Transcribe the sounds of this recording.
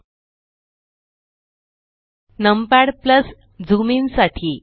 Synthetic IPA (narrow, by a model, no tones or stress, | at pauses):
nəmpaɽpləs | d͡zuminsaʈʰiː